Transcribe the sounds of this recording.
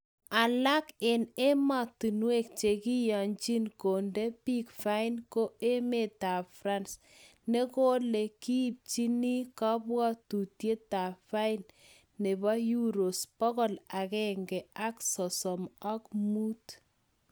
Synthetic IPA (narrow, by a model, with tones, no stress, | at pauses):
a˨la˦ke˨ne˦ma˨ti˨nwe˦˨k̚t͡ʃe˨ki˦jɔ˨nt͡ʃi˦nko˨nde˦pi˦kfa˦i˦nko˦e˦me˨ta˨fɾa˦ns | ne˦ko˦le˨ki˦p̚t͡ʃi˦ni˦ka˦bwɔ˦tu˨tje˦ta˨fa˦i˦nː | e˨bɔ˦ju˦ɾo˨spɔ˦kɔ˦la˨kɛ˨ŋɡɛ˨a˦ksɔ˨sɔ˨ma˦kmu˦t